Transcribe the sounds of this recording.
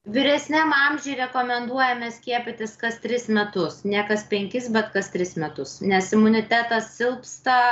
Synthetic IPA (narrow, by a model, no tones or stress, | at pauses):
ʋʲɪɾʲɛsʲnʲæmɐmʲʒʲɛɪɾʲɛkoːmʲɛnd̪uɔjɛmʲɛsʲkʲiɛpʲɪt̪ʲɪskɐst̪ʲɾʲɪsmʲɛt̪ʊsnʲɛkɐspʲɛŋʲkʲɪsbʲɛt̪kɐst̪ʲɾʲɪsmʲɛt̪ʊsnʲɛsɪmʊnʲɪt̪ʲæːt̪ɐssʲɪlˠpst̪ɐ